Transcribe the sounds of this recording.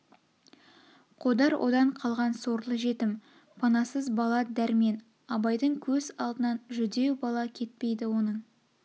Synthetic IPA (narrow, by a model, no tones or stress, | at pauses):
qʰod̪ɑɾwʔo̞̰d̪ɑɴqʰɑlˠʁɑnso̞ɾlˠəʒe̞t̪ɪm | pʰɑnɑsəzbɑlˠɑd̪æɾme̞n | ɑbɑjd̪əɴkʲʰɵzɑlˠd̪ənɑnʒʏd̪e̞wbɑlˠɑkʲʰe̞t̪̚pe̞jd̪ɪwo̞nəɴ